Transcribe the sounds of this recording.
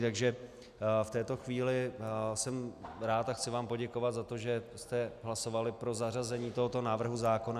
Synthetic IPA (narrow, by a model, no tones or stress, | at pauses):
t̪aɡʒɛ | ft̪ɛːt̪o̞xviːlɪsɛmɾaːt̪axt͡sɪvaːmpo̞ɟɛko̞vat̪zat̪o̞ʒɛst̪ɛɦlaso̞valɪpɾo̞zarazɛɲiːt̪o̞ɦot̪onaːvr̩ɦuzaːko̞na